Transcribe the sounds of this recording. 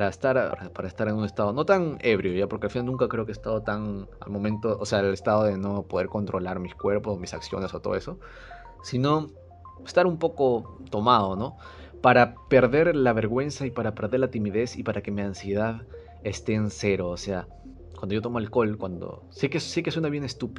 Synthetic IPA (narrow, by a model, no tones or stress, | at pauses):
paɾaest̪aɾ̰ɾapaɾaest̪aɾenune̞st̪að̞o̞no̞t̪aŋe̞βɾjoʝapoɾkelfinalnũŋkakɾe̞okeest̪að̞ot̪aŋa̰lmõ̞mẽnt̪oʔose̞aelest̪að̞o̞ðe̞no̞po̞ð̞e̞ɾko̞nt̪ɾo̞laɾmiskwe̞ɾpo̞somisaksjo̞̰nesot̪oð̞oe̞so̞ | sino̞ | est̪aɾumpo̞ko̞t̪o̞maðo̞no̞ | paɾape̞ɾðe̞ɾlaβe̞ɾɣwe̞nsaipaɾape̞ɾðeɾlat̪imiðe̞sipaɾake̞miansje̞ðað | e̞st̪e̞ːnse̞ɾoːse̞a | kwand̪o̞ʝot̪moelko̞lkwand̪o̞̰ | sekesseke̞swenaβje̞ne̞st̪up